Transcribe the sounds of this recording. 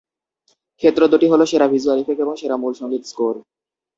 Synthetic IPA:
kʰet̪ːɾod̪oʈiɦoloʃeɾabʱizualifekeboŋʃeɾamulʃɔŋɡit̪skoɾ

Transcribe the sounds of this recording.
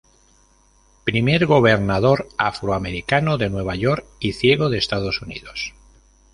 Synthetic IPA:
pɾime̞ɾɣo̞β̞e̞ɾnaðo̞ɾafɾoame̞ɾikanoðe̞nwe̞β̞ajo̞ɾkiθje̞ɣ̞o̞ðe̞ːst̪að̞o̞sunḭðo̞s

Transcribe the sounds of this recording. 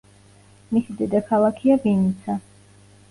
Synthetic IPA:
misid̪ɛd̪akʰalˠakʰiaɡinit̪sʰa

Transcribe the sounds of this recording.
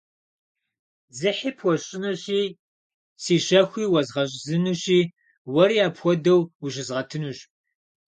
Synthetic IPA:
zɨħiːpʰwʷɔɕʼɪnɐɕiː | siːɕɐxʷiːwɐzʁɐɕ̬ʼzɨnuɕiː | wɐɾiːaːpxʷɔdɐwuɕɪzʁɐtʰɨnuɕ

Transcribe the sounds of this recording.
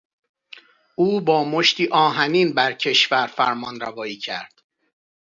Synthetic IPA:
ʔuːbɒːmoʃt̪iːʔɒːɦæniːnbæɾcʰe̞ʃvæɾfæɾmɒːnɾævɒːiːcʰæ̰ɾd̪̥

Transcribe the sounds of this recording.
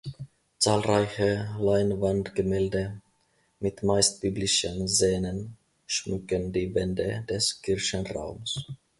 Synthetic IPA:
t͡saːlʁaɪçəlaɪnvandɡ̥əmɛːldə | mɪtmaɪst̚b̥yːblɪʃənzeːnən | ʃmʏkəndiːvɛndəd̥ɛskʰɪɐçənʁa̰ʊms

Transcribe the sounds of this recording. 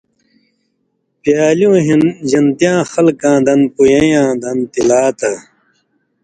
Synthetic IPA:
pjaːljũːɦʑɐnt̪jãːxɐlkãːd̪ɐnpujẽjãːd̪ɐnt̪ilaːt̪a

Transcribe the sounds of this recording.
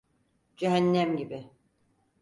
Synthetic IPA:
d͡ʒeɦænːæmɟibɪ

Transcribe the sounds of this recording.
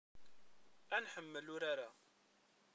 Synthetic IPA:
ænħəmːəlʊɾaɾa

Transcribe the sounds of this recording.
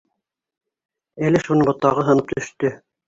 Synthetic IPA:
ælɘʃunɤbŏt̪ɑʁɤɦɤ̆nɤp̚t̪ɵ̆ʃt̪ɵ

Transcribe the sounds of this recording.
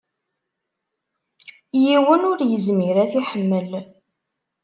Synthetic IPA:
jiwənʊɾjəzmiɾæθiħəmːəl

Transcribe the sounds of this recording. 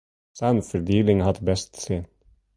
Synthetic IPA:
sænfəɾd̪iːlɪŋhɑd̪bɛst̪seː

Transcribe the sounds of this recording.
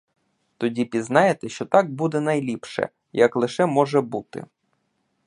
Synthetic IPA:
t̪ɔdʲipʲiznɑjet̪ɛʃt͡ʃɔt̪ɑk̚bud̪ɛnɐjlʲipʃɛ̰ | jɐklˠɪʃɛmɔʒɛbut̪ɪ̰

